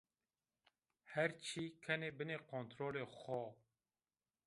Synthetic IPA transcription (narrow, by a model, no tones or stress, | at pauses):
hɛɾt͡ʃʰiːkʰɛneːbɨneːkʰont̪ɾoːleːxɔ